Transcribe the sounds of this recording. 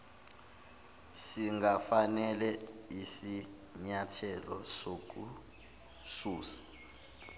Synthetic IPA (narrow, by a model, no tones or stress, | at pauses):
siŋɡafanɛlɛisi | ɲatʰɛlɔ̰sok̬ʼu | suːsḁ